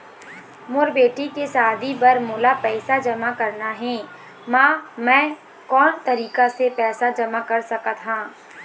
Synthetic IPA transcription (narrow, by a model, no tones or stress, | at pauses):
mʊɾbeːʈikesaːd̪ʱibɐɾmʊːlapɛːsad͡ʒɐmakɐɾnaɦɛ̃ː | mãːmɛ̃ː | kɔːnt̪ɐɾiːkasepɛːsad͡ʒɐmakɐɾsɐkat̪ɦãː